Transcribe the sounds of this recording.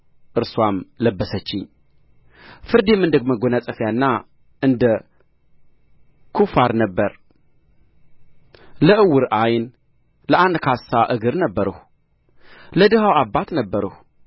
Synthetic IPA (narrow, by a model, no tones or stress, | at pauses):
ʔɨɾswamləbːəsət͡ʃːɪɲː | fɨɾd̪emɨnd̪əɡməɡonasʼəfjanːa | ʔɨnd̪ə | kʰufaɾnəbːəɾ | ləʔɨwːɨɾajn | ləʔand̪kʰasːaʔɨɡɨɾnəbːəɾəh | ləd̪ɨhawabːat̪nəbːəɾəh